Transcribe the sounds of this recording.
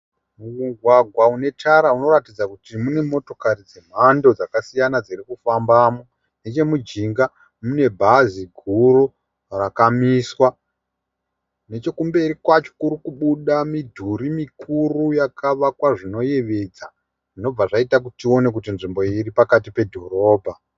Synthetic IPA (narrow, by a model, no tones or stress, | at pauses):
muuɡʱwaɡʱwaune̞taɾauno̞ɾatid͡zakutimune̞mo̞to̞kaɾid͡ze̞m̤ando̞d͡zakasijanad͡zirikufambamo | ne̞t͡ʃe̞mud͡ʒiŋɡa | mune̞bʱaziɡʱuɾu | rakamiswa | ne̞t͡ʃo̞kumbe̞ɾikwat͡ʃo̥kuɾikuɓuɗamidʱuɾimikurujakʰaʋakwaʐino̞je̞ʋe̞d͡za | ʐino̞b͡vaʐaitak̬utio̞ne̞k̬ut̬inʐimbo̞iripakatipe̞dʱo̞ro̞ːbʱa